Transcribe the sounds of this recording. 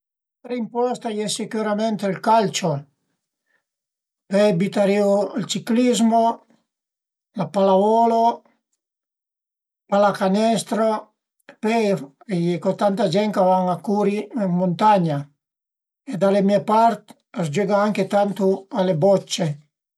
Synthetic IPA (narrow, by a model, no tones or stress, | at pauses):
ɾimpɔst̪ajɛsekuɾamɛnt̪elkalt͡ʃo | pebit̪aɾioalt͡ʃiklizmo | lapalavɔlo | palakanɛst̪ɾo | pɛ | ejekot̪ant̪ad͡ʒɛŋkavaŋakuɾiemmont̪aɲa | ed̪alemiepaɾt̪ | asd͡ʒeɡaaŋket̪ant̪ualebɔt͡ʃːe